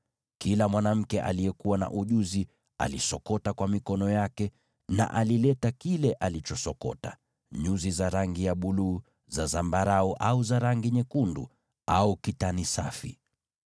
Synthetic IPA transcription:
kilamwanam̩kɛʔa̰lijɛkuwana̰ʔuʄuzi | a̰lisɔkɔtakwamikɔnɔjakɛ | na̰ʔalilɛtakilɛʔalit͡ʃɔsɔkɔ̰ta̰ | ɲuzizaɾaŋɡijaɓuluː | zazambaɾauʔauzaɾaŋɡiɲɛkundṵ | aukitanisafḭ

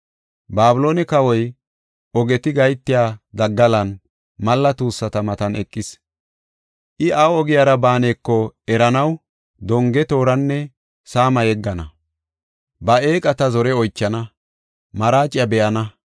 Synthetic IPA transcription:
baːbʊlo̞ːnɛkɐwɔj | ɔɡɛt̪ɪɡɐjt̪ːɪjaːd̪ɐɡːɐlɐn | mɐlːɐt̪uːsːɐt̪ɐmɐt̪ɐnɛkʼːɪs | ʔɪʔawɔɡɪjaːɾɐbaːne̞ːkːɔɛɾɐnɐw | d̪ɔŋɡɛt̪o̞ːɾɐnːɛ | saːmɐjɛɡːɐnɐ | bɐeːkʼɐt̪ɐzɔɾɛɔjt͡ʃːɐnɐ | mɐɾaːt͡ʃʼːɪjɐbɛʔɐnɐ

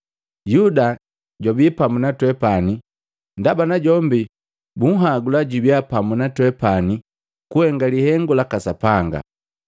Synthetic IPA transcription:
juda | ɟɔbipamunatwɛpani | ndabanaɟɔmbi | buŋ̩ɦaɡulaɟubjapamunatwɛpani | kuhɛŋɡalihɛŋɡulakasapaŋɡa̰

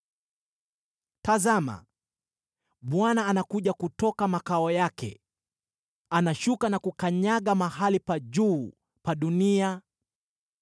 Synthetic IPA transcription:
tazama̰ | ɓwanaːnakuʄakutɔkamakaɔjakɛ̰ | anaʃukanakukaɲaɠamaɦalipaʄuː | paɗunia

